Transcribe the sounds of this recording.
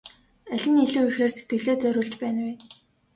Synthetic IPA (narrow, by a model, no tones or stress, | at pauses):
æɮʲɪ̆niɮŭːujxeːrset̪̚ɡɘ̆ɮeːt͡sœɾʲʊ̆ːɮt͡ɕpæːnweː